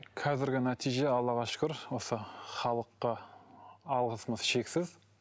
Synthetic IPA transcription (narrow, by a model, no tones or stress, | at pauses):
kʰɑzɪɾɡʲɪnæt̪ʰijʒe̞ɑlˠːɑʁɑʃʊ̥kʲʊɾwo̞səχɑlˠəqːə | ɑlˠʁəsəməzʃe̞ksɪz